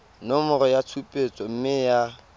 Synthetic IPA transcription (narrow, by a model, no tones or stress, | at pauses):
nɔmʊrɔjat͡sʰupʼet͡sʼɔm̩mɪja